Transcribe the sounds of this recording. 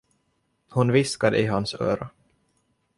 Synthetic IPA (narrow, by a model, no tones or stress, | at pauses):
hʊnvɪskad̪ə̰ʔɪɦansø̰ːɾa